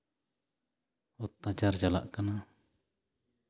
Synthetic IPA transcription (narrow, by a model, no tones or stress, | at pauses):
ɔt̪ːad͡ʒard͡ʒala̰ʔkana